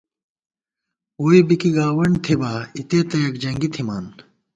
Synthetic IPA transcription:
oːibikiɡaːwɐɳɖt̪ʰibaːit̪eːt̪ɐjɐkd͡ʑɐŋɡit̪ʰimaːn

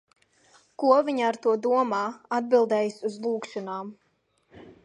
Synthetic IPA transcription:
kuɔviɲaaɾt̪uɔd̪uɔmaːad̪̚bilˠd̪ɛːjsuzlˠuːkʃɔnaːm

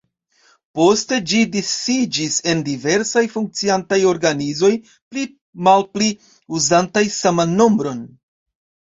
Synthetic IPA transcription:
po̞ste̞d͡ʒidisid͡ʒise̞ndive̞ɾsajfuŋk̚t͡siantajo̞ɾɡanizo̞j | pli | malpli | uzantajsamanːo̞mbɾo̞n

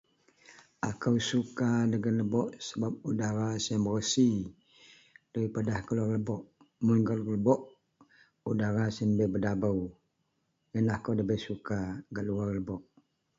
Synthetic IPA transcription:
ʔakəwsukadəɡanləbɔʔsəbap̚udaɾasəmbərəsi | d̥aɾipadahkəluarləbɔʔ | mʊnɡalləbɔʔ | udaɾasənbɛbədabəw | jənahkəwdəbɛsukaɡaʔluarləbɔʔ

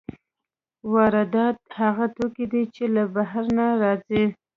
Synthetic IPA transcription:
wɑɾad̪ɑt̪̚haɣat̪okid̪it͡ʃelabaɦaɾnaɾɑzi

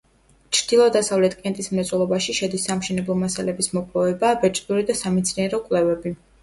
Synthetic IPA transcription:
t͡ʃʰɾd̪̥ilˠɔd̪asavlɛt̪ʰʼkʼɛnt̪ʼismɛt̪sʼwɛlˠɔbaʃiʃɛd̪isːamʃɛnɛblˠɔmasalɛbismɔpʼlˠɔvɛbabɛt͡ʃʼd̪uɾid̪asamɛt̪sʰniɛɾɔkʼwlɛvɛbi

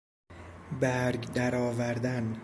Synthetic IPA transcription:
bæɾɡd̪æɾɒːvæɾd̪æn

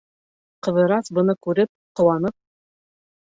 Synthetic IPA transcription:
qɤ̆ðɤ̆ɾɑsbɤ̆nɤkʉɾɘp̚qŏwɑnɤp̚

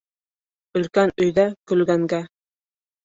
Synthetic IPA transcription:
ɵ̆lkænɵ̆jðækɵ̆lɡæŋɡæ

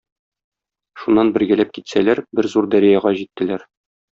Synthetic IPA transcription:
ʃunːɑnbɘ̆ɾɡælæp̚kit̪sælæɾbɘɾzuɾd̪ɒɾijæʁɑʑit̪ːɘ̆læɾ

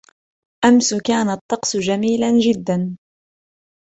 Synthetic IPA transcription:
ʔamsʊkaːnat̪ˤːɑqsʊd͡ʒamiːland͡ʒɪd̪ːan

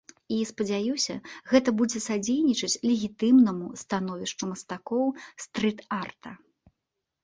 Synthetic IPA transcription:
ispɐd͡zʲajusʲɐɣɛt̪ɐbud͡zʲɛsad͡zʲejnʲit͡ʂɐt͡sʲlʲɛɣʲit̪ɨmnɐmust̪an̪ɔvʲiʂt͡ʂumɐst̪akɔwst̪ɾɨt̪art̪ʰɐ

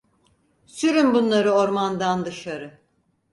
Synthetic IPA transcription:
syɾymbunlˠaɾɯo̞ɾmand̪and̪ɯʃaɾɯ

